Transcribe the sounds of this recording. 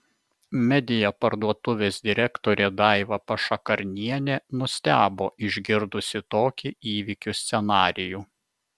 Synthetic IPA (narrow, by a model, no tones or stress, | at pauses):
mʲɛd̪ʲɪjɛpɐɾd̪uɔt̪ʊʋʲeːsd̪ʲɪɾʲɛkt̪oːɾʲeːd̪ɑˑɪʋɐpɐʃɐkɐɾʲnʲiɛnʲeːnʊsʲt̪ʲæːboːʔɪʒʲɡʲɪɾd̪ʊsʲɪt̪oːkʲiiːʋʲikʲusʲt̪sʲɛnɑːɾʲɪjuː